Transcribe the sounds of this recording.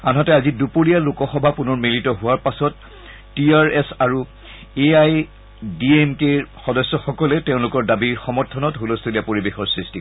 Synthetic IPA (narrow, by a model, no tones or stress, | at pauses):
anɦɔtɛazidupoɹijalʊkɔxɔbʱapunɔɹmilitɔɦʊwaɹpasɔtː | iaɹesaɹu | eaj | diemkeɹxɔdɔsːɔxɔkɔlɛteʊ̃lʊkɔɹdabiɹxɔmɔɹtʰɔnɔtɦulostʰoliapoɹibexɔɹsɹisti